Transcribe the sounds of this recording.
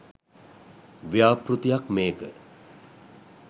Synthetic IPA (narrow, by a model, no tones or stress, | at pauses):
ʋjaːprut̪ijakmeːkə